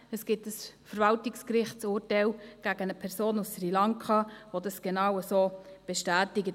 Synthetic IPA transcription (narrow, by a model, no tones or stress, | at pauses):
əsɡ̥ɪtəsfəɾvɑltɪkskɾɪχtt͡sʊːɾtæɪlɡ̥æɡənəpʰɛɾsoːnussrilɑŋkʰɑvodɑsɡ̥enɑwəsoːb̥ɛʃtæːtɪɡət